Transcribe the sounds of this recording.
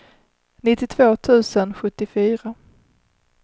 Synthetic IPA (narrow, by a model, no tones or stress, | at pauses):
nɪt̪ːɪt̪ʰvoːt̪ʰʉ̟ːsənɧɵt̪ːɪfyːɾa